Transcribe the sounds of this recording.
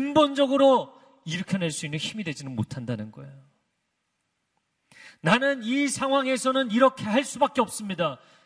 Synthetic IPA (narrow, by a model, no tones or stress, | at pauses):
ɯnbond͡ʑʌɡɯɾo | iɾɯkʰjʌneɭs͈uinːɯnçimidwe̞d͡ʑinɯnmotʰandanɯnɡʌḛjo | nanɯnisʰaŋɦwaŋe̞sʰʌnɯniɾʌkʰe̞haɭs͈ubak͈̚eʌp̚s͈ɯmɲida